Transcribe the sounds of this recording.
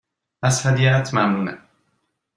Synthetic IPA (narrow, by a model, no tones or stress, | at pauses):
ashad̪ijat̪ʰmamnuːna